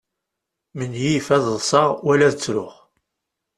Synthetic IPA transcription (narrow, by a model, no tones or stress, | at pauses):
mənjifæðəðˤsˤɑʁwælæðət͡sːɾʊχ